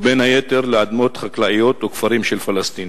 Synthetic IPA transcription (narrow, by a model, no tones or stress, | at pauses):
benhajet̪eɾleʕad̪mo̞t̪χaklaʔijo̞t̪ukfaɾimʃelfalast̪in